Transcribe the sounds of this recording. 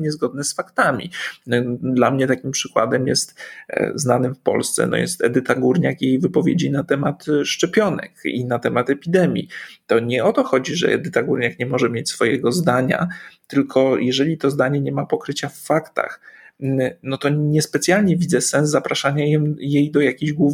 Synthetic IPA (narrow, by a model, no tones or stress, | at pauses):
ɲɛzɡɔd̪̚nɛsfakt̪amʲḭ | d̪lamɲɛt̪akʲimpʂɘkwa̰d̪ɛmjɛ̰st̪znanɘmfpɔ̰lst̪sɛ̰nɔ̰jɛ̰st̪ɛ̰d̪ɘt̪aɡuɾɲakjejvɘpɔvʲjḛd͡ʑinat̪ɛmat̪ʂt͡ʂɛpʲjɔnɛ̰kḭnat̪ɛmat̪ɛpʲid̪ɛmʲjḭt̪ɔɲɛɔt̪ɔxɔd͡ʑiʐɛ̰ɛ̰d̪ɘt̪aɡuɾɲakɲɛmɔʐɛmʲjet͡ɕsfɔjɛɡɔzd̪aɲa̰t̪ɘlkʰɔjʔɛʐɛlʲit̪ɔzd̪aɲɛɲɛmapɔkɾɘt͡ɕafːakt̪a̰x | nɔt̪ɔɲɛspɛt̪sʲjalɲɛvʲid̪zɛsɛ̃nzzapɾaʂaɲajɛjejd̪ɔjakʲiʑɡwuv